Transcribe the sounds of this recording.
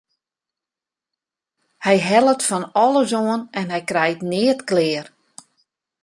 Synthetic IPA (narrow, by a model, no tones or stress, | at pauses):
hɛjɦɛlˠətfɔnɔlˠəzoənɛnɦɛjkrɛjtnɪətklɪːər